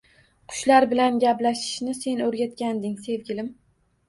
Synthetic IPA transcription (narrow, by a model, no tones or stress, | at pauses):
qʰʊ̥ʃlaɾbɪlanɡʲaplaʃɪ̥ʃnɪse̞nɵɾɡʲat̪̚kʲand̪ɪŋse̞vɡʲɪlɪm